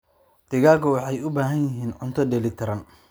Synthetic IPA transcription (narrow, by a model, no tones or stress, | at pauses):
d̪̥ɪɣaːɡɔwɑħɑjʊbaːɦɐnjɪɦiːnʕʊnt̪ʰɔdɛlɪt̪ʰɐɾɐn